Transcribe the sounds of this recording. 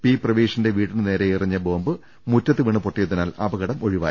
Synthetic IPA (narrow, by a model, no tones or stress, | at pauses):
piːprɐʋiːʂɐnde̞ʋiːʈːinɨne̞ːɾeirɐɲːɐbo̞ːmbɨ | mutːɐt̪ːɨʋiɳɨpoʈːijɐt̪ːinaːlɐbɐɣɐɽɐmo̞ɻiʋa̰ːji